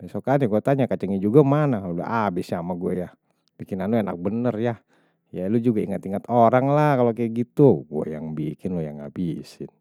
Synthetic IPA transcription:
bɛsokaniɡuat̪aɲakat͡ʃəŋid͡ʒuɡamanakalolṵʔabɪsjamaɡuɛja | bikɪnanuena̰k̚bənərja | jalud͡ʒuɡaiŋat̪iŋat̪oɾaŋlakalokaɡit̪uɡuɛ̰jaŋbikɪnlojaŋa̰bisɪ̰n

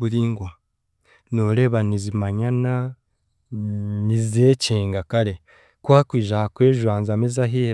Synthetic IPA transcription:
buɾiːŋɡwa | noːɾe̞ːβanizimaɲana | nizeːceːŋɡakaɾe̞ | kwaːkwiːʒahakweːʒwaːnzamezaɦi

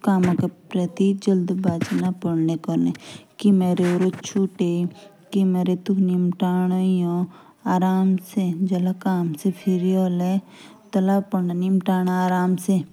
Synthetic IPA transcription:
kaːmãkepɾɐt̪id͡ʒəld̪baːt͡ʃnapəɽnekɔnekimeːɾeoɾot͡ʃʰuʈe | kimeːɾet̪ukʰnimʈaːnajõ | aːɾaːmsed͡ʒɐlakaːmsepʰiɾioːle | t̪ɐlapəanimʈaːnaaːɾaːmse

